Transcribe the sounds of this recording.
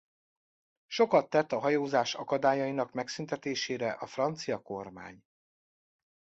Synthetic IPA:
ʃo̞kɒt̪ːɛt̪ːɒɦɒjoːzaːʃɒkɒd̪aːjɒinɒkmɛksynt̪ɛt̪eːʃeːɾɛʔɒfrɒnt̪sijɒko̞rma̰ːɲ

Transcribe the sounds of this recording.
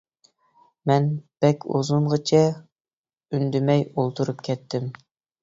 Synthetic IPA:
mɛnb̥ɛkʲʰṵzuɴʁət͡ʃʰɛ | ynd̪ymɛjolˠt̪ʰuɾupkʲʰɛt̪ʰːɪm

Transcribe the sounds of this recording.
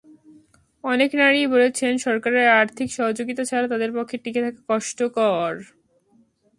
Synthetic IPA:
ɔneknaɾibolet͡ɕʰenʃɔɾkaɾeɾaɾt̪ʰikʃɔɦod͡ʑoɡit̪at͡ɕʰalat̪ad̪eɾpokʰːeʈiket̪ʰakakɔʃʈokɔɾ

